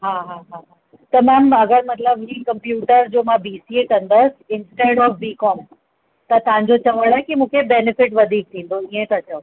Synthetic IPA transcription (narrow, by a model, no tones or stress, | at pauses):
ɦaɦaɦaːɦa | t̪ɐmaːmɐɡəɾmɐt̪ləbĩːkɐ̃mpjuːʈəɾd͡ʑoːmãbiːsiekɐ̃nd̪əsɪnsʈeːɽɔːfʋiːkɔːm | t̪ɐt̪ɐʋãɲd͡ʑot͡ɕɐʋəɽ̃aɦẽkimũːkʰebeːnɪfɪʈʋɐd̪ʱiːk̚t̪ʰĩːnd̪oiẽt̪ʰɐt͡ɕə